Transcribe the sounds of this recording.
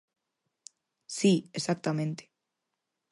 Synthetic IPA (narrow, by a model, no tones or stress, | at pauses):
siesak̚t̪amẽnt̪e̥